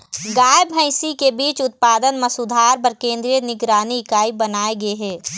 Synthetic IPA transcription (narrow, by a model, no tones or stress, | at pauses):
ɡaːjebʱə̃ɪ̃sikebiːt͡ʃʊt̪̚paːd̪ənmɐsʊd̪ʱaːɾp̬ɐɾkẽːnd̪ɾijənɪɡɾaːnikaːibənaːeɡɐeɦɛː